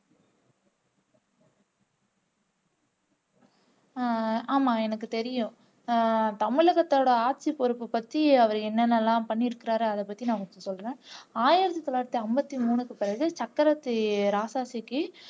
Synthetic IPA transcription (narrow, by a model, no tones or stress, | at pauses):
aːmaːɛnɐkːɯt̪ɛɾɪjʊ̃ | t̪ɐmɪɭɐɣɐt̪ːoːɽɐaːʈsipɔɾɯpːɯpɐt̪ːiɐʋɐɾɛnːɛnːɐlːãːpɐɳːiɾɯkːɪɾaːɾɯɐðɛpːɐt̪ːinãːkɔɳt͡ʃɔ̃sɔlːɾẽːaːjɪɾɐt̪̬ːit̪ɔlaːɾɐt̪ːiɐmbɐt̪ːimuːnɯkːɯpɪɾɐɣɯt͡ʃɐkːɐɾɐt̪ːɯɾaːsaːsikːɯ